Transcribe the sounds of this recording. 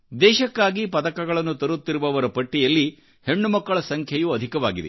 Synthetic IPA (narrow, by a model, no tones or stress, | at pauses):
d̪ɛːʃɐkːaːɡipɐd̪ɐkɐɡɐɭɐnːut̪ɐɾut̪ːiɾuʋɐʋɐɾɐpɐʈːijɐlːi | he̞ɳːumɐkːɐɭɐsɐŋkʰjɐjuɐd̪ʱikɐʋaːɡid̪ḛ